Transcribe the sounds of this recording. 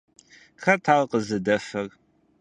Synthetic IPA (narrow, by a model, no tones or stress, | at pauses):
xɐtʰaːʁqəzɨdɐfɐr